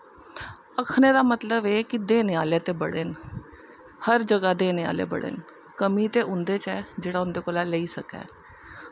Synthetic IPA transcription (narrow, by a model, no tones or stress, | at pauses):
əkʰneːd̪aːmət̪ləbeːkɪd̪eːneːaːleːt̪eːbəɽeːn | həɾd͡ʒəɡaːd̪eːneːa̰ːlḛːbə̰ɽḛːn | kəmiːt̪eːʔʊnd̪eːt͡ʃɛːd͡ʒeːɽaːʊnd̪eːkoːlaːləiːsəkɛ̰ː